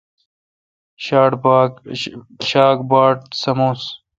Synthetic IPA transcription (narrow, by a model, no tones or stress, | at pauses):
ɕaːʈb | ɕaːk̚baːʈsɐmoːs